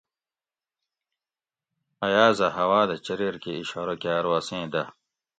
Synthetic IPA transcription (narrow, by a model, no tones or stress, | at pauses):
ɐjaːzɐhɐwaːd̪ɐt͡ɕɐɾiɾkeiɕaɾokjaːɾwasẽːd̪ɐ